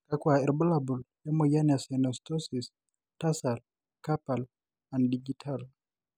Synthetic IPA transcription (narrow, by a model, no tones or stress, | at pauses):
kakwaɛɾbɔlabuljɛmɔjanɛasɛnɔstɔsis | tasal | kapal | andiɡitʰal